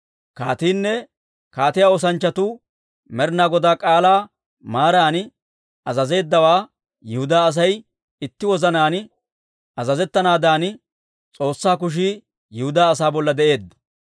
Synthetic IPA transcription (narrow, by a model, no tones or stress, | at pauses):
kaːt̪iːnːɛ | kaːt̪ɪjaːoːs̬ɐnt͡ʃːɐt̪ʊ | mɛɾnaːɡɔd̪aːkʼaːlaː | maːɾaːnɪ | ɐzɐze̞ːd̪ːɐwaː | jɪhʊd̪aːɐs̬ɐj | ɪt̪ːɪwɔzɐnaːn | ɐzɐzɛt̪ːɐnaːd̪aːn | t͡sʼo̞ːsːaːk̬ʊʃ̬iː | jɪhʊd̪aːs̬aːbɔlːɐd̪ɛʔe̞ːd̪ːɔ̥